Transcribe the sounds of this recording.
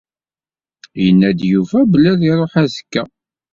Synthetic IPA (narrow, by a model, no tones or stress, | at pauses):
jənːæd̪juvæblːæðiɾˤoħæðə̥kːæ